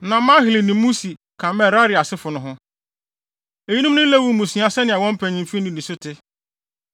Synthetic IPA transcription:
nã˨mã˦ɦɪ˨lɪ˨nɪ̃˨˦mũ˦si˨ | kʰã˨mɛ̃˦˨ɾa˦ɾɪ˨a˨sɪ˦fʊ˨nʊ̃˦ɦʊ̃˦ | e˨ji˦nũ˦m˦nʊ̃˦lɛ˦wu˨˦mũ˨sĩ˨˦a˨sɛ˦nɪ̃˨a˨wɔ̃˦m˦pʰæ̃˨ɲĩ˨mfi˦nĩ˨nĩ˨sʊ˦tʰɪ˦

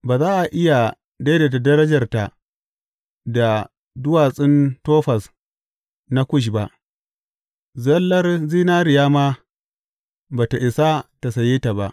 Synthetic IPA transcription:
baː˨zaː˦ʔa˨ʔɪ˦ja˨ | da˦jda˨ta˨dɐ˦ɾɐ˦d͡ʒɐ˨rta˨ | da˨ | dʊ˦waː˨sʼɪ˦ntoː˦ɸɐ˨s | na˦kʷʊ˦ʃ̬ba˦ʔ | zɐ˦lːɐ˦rziː˦naː˦ɾɪ˨jaː˦ma˦ | baː˨ta˨ʔɪ˨sa˦ta˨sa˨jeː˦ta˨ba˨ʔ

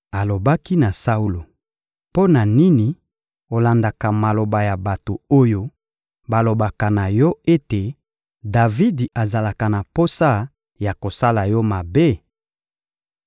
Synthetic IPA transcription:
a˨lo˨ba˦ki˦na˨sa˦u˦lo˨ | po˦na˨ni˦ni˨ | o˨la˨nda˨ka˨ma˨lo˨ba˨ja˨ba˨to˨o˦jo˦ | ba˨lo˨ba˨ka˨na˨jɔ˦e˦te˨ | da˨vi˦da˨za˨la˨ka˨na˨po˦sa˦ | ja˨ko˨sa˦la˨jɔ˦ma˨be˦˨

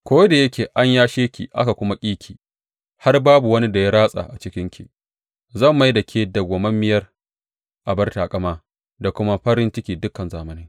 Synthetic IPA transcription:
kʷoː˦da˨jɐ˦kʲeː˨ʔa˦ɲjaː˦ʃeː˦kʲḭ˨ʔa̰˦ka˨kʷʊ˦ma˦kʲʼiː˦kʲʰiː˨ | ha˦rbaː˦bu˨wɐ˦ni˦da˨ja˦ɽaː˦sʼa̰˨ʔa˨t͡ʃɪ˦kʲɪ˦ŋkʲi˨ | zɐ˦˨mːa˦jdɐ˨kʰʲeː˦da˨ɡʷo˨mɐ˦mːɪ˦jɐ˦r | ʔa˨bɐ˦rta˨kʼɐ˦maː˦ | da˨kʷʊ˦ma˦ɸɐ˦ɾɪ˦nt͡ʃɪ˦kʲiː˨dʊ˦kːɐ˨nzaː˨mɐ˦nɪ˦ŋ

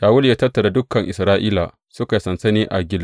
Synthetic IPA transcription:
jaː˨wʊ˦ljaː˦tɐ˦rtːɐ˨da˨dʊ˦kːɐ˨ŋʔɪ˨sɾaː˦ʔiː˦la˨ | sʊ˦ka˨sɐ˨nsɐ˦niː˦ʔa˨ɡʲɪ˦l

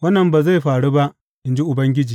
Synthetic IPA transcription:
wɐ˦nːɐ˨mbaː˨za˦˨jɸaː˨ɽu˦ba˦ʔ | ʔɪ˨˦nd͡ʒi˦ʔʊ˨bɐ˦ŋɡʲɪ˦d͡ʒiː˨

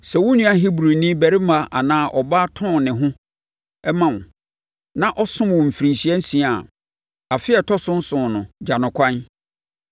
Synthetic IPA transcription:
sɛ˨wʊ̃˦nĩ˦a˦ɦi˦bɾu˨nĩ˦bæ˨ɾi˦mã˦ʔa˨nãː˦ʔɔ˨ba˦tʰɔ̃˦˨nɪ̃˨ɦʊ̃˦ | ɛ˦mã˨w | nã˨ʔɔ˦sʊ̃˦mwɔ̃˨m̩˨fi˨ɾĩ˨nɕi˨˦ɛ˦n̩˦sĩ˦a˨ | a˨fɪ˦ɛ˨tʰɔ˦sʊ̃˦n̩˦sʊ̃˨nʊ̃˨d͡ʑa˨nʊ̃˨kʰʷã˦n

